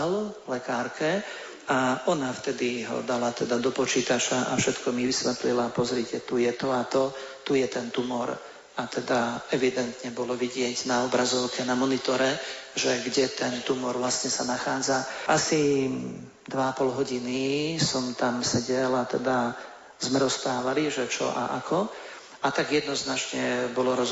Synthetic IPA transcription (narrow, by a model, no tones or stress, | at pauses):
llɛkaːɾkɛ | aɔnaft̪ɛd̪iɦɔ̰d̪alat̪ɛd̪ad̪ɔpɔt͡ʃiːt̪at͡ʃaʔa̰fʃɛt̪kɔmiʋisʋɛt̪lilapɔzɾicɛt̪ujɛt̪ɔat̪ɔt̪ujɛt̪ɛnt̪umɔɾ | at̪ɛd̪aɛʋid̪ɛnt̪ɲɛbɔlɔʋiɟɪɛɟnaɔbɾazɔʊkɛnamɔnit̪ɔɾɛʒɛɡɟɛt̪ɛnt̪umɔɾʋlasɲɛsanaxaːd͡zaʔasi | d̪ʋaapɔlɦɔɟinisɔmt̪amsɛɟɛlat̪ɛd̪a | zmɛɾɔst̪aːʋaliʒɛt͡ʃɔ̰ʔa̰ʔa̰kʰɔ | at̪aɡjɛd̪nɔznat͡ʃɲɛbɔlɔɾɔ